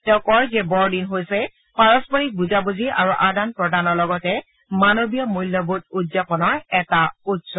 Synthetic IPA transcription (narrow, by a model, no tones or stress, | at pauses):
tɛʊ̃kɔɹzɛbɔɹdinɦojsɛ | paɹɔspɔɹik̚buzabuziʔa̰ɹuʔadanpɹɔdanɔɹlɔɡɔtɛ | manobijɔmujlːɔbut̚udzapɔnɔɹɛtautsɔ